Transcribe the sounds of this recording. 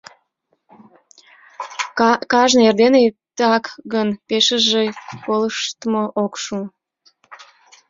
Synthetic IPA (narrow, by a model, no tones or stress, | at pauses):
kɑʒnerd̪eneet̪ɑkɣənpeʃəʒekoləʃt̪əmoʔokʃu